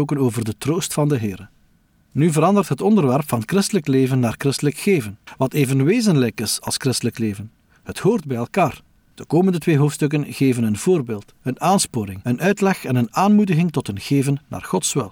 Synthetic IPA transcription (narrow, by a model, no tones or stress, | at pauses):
oːkənoːvərdətroːstfɑndəɦɪːɾə | nyvəɾɑndərtɦətɔndərʋɛrpfɑnətkrɪstələkleːvənːaːrkrɪstələkxeːvənʋɑteːvənʋeːzənlɛjkɪsɑ̰lˠskrɪstələkleːvən | həthoːrd̚bɛjɛlˠkaːr | d̥əkoːməndətʋeːɦoːftstɵk̬ənɣeːvənənvoːrbeːlˠt | ənaːnspoːɾɪŋənʔœɥtlɛxɛnənaːnmudəɣɪŋtɔtənɣeːvənːa̰ːrxɔtsʋɪ̰lˠ